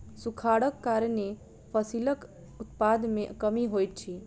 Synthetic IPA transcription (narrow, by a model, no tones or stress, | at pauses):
sukʰaɽəkːaɾne | pʰəsilək | ʊt̪pad̪mẽkəmiɦojt̪̚t͡ʃʰi